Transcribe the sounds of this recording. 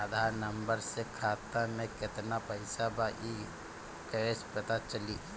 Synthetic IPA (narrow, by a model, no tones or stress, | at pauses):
ad̪ʱaːɾnəmbəɾsekʰaːt̪amẽkɪt̪napəɪsabaʔi | kəespət̪at͡ʃəli